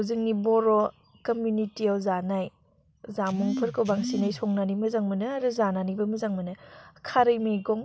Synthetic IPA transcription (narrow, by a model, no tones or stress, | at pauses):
wzɯŋnibɔɾɔ | kɐmjunitiawzanaj | zamuŋpʰɯɾkɯwbaŋsinajsɔŋnanimɐzaŋmɯnɯaɾɯzananibɐmɐzaŋmɯnɯkʰaɾɯjmijɡɔŋ